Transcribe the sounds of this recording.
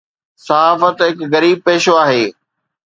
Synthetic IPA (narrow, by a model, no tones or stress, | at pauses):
sɐɦaːfət̪ɦɪkɣɐɾiːb̚peːʃoaːɦeː